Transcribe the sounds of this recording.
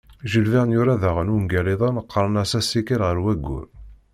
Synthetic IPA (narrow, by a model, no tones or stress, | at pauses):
ʒəlviʁənjuɾaðæʁənumɡæliðˤɑnəqːəɾˤənæsæsːikəlʁəɾwæɡʷːṵɾ